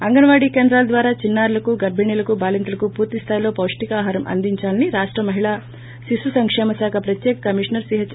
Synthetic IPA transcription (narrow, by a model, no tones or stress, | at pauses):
ɐŋɡɐnɐʋaːɽiːkeːnd̪ɾaːlɐd̪ʋaːɾaːt͡ʃinːaːɾlɐkuɡɐɾbʱiɳiːlɐkubaːlint̪ulɐkupuːɾt̪ist̪ʰaːjilo̞ːpɐwʂʈikaːɦaːɾɐmʔɐ̰nd̪iɲt͡ʃaːlɐniɾaːʂʈɾɐmɐɦiɭaː | ʃisusɐŋkʂɛːmɐsaːkʰɐpɾɐt̪jɛːkɐkɐmiʂɐnɐɾsiɦɐt͡ʃ